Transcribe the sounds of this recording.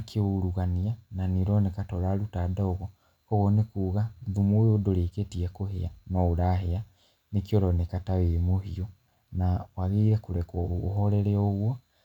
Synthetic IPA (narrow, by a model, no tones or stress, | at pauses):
kʰeoɾuɣaniananiɾɔnekatɔɾaɾutadaoɣɔ | kɔɣonekuːɣaðumoodoɾeketiɛkoheanɔuɾaɦea | nekiɔɾɔnekataweɾimohio | nawaɣeiɾɛkuɾɛkɔɦɔɾɛɾeɔɣwɔ